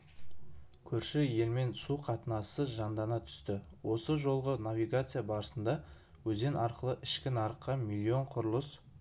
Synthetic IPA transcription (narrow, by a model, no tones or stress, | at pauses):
kʲʰɵɾʃɪje̞lme̞nsuqʰɑt̪ənɑsəʒɑnd̪ɑnɑt̪ʰʏ̥st̪ɪwo̞səʒo̞lˠʁənavijɡat̪sɨjabɑɾəsənd̪ɑ | wɵze̞nɑɾqəlˠəʔɪʃkʲɪnɑɾəqːɑmilʲːio̞ɴqʰʊɾlˠəs